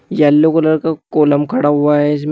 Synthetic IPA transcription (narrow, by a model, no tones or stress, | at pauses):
jɐlːokoləɾkakoːləmkʰɐɽaɦʊaɦɛɪs̬m